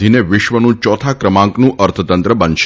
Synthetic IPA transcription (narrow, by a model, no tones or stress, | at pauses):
ineʋɪʃʋənũt͡ʃɔt̪ʰakɾəmãŋknũʔəɾt̪ʰət̪ənt̪ɾəbənʃ